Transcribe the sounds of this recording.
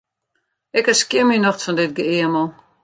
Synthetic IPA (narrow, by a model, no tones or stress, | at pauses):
ɪkəskjɪminɔxtfɔndɪt̚ɡəɪəmɔlˠ